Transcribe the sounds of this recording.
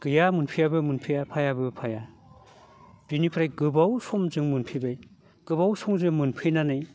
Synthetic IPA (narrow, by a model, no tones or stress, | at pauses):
ɡ̥ɯjamɯnpʰijabɯmɯnpʰɯjapʰajabɯpʰaja | b̥inipʰɾajɡɯbawsɔmzɯŋmɯnpʰibaj | ɡ̥ɯbawsɔŋzɯŋmɯnpʰɯjnanɯj